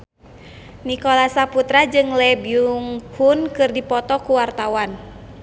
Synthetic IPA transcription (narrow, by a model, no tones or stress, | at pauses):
nikɔlasaput̪ɾad͡ʒɨŋlɛbiuŋhunkɨrdipɔt̪ɔkuwart̪awan